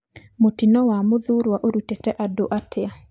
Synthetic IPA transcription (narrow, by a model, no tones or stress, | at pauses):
motinɔwamʊðuɾwaʔoɾutetɛʔadoʔatʰɪa